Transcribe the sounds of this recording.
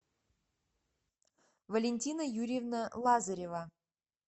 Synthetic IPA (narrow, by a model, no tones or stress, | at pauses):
vəlʲenʲtʲinəjuɾʲevnəlˠɑzəɾʲeva